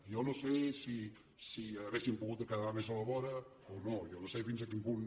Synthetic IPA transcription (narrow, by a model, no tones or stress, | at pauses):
jonosesi | siaβesimpuɣut̪əkaðamezaləβɔɾə | onojonosefinsakimpun